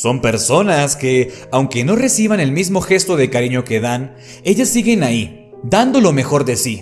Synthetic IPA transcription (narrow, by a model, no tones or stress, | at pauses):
so̞mpe̞ɾso̞naskeawŋke̞no̞re̞siβane̞lmizmo̞xe̞st̪o̞ðe̞kaɾiɲo̞ke̞ðan | e̞ʝasːiɣe̞nai | d̪and̪o̞lo̞me̞xo̞ɾðe̞si